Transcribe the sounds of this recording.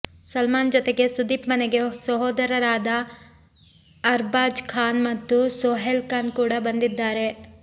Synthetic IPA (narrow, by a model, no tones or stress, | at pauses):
sɐlmaːnd͡ʒɔt̪eɡe̞sud̪iːpmɐneɡe̞sɐɦoːd̪ɐɾɐɾaːd̪ɐ | ɾbaːd͡ʒkʰaːnmɐt̪ːusoːɦelkaːnkuːɽɐbɐnd̪id̪ːaːɾe̞